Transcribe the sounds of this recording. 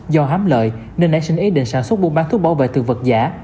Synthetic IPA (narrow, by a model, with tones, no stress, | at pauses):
zɔ˧ɦaː˨˦mlə̰ː˧˨j | ne˧nɗa̰˧˥˦sï˧ŋʔi˨˦ɗḭ˧˨ŋ̟saː˧˩nswə˦˥t̚ɓu˧˥ŋ͡mɓaː˨˦nt̪ʰu˦˥ɓaː˧˩wvḛ˧˨t̪ɨ˨˩və˨˩t̚zaː˧˥